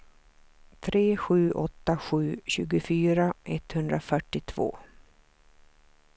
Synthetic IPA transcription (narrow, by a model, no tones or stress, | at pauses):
t̪ʰɾeːɧʉ̟ːʔɔt̪ːaɧʉ̟ːɕʉ̟ːɡʊfyːɾaʔɛt̪hɵnd̪ɾafœʈːɪt̪ʰv̥o̰ː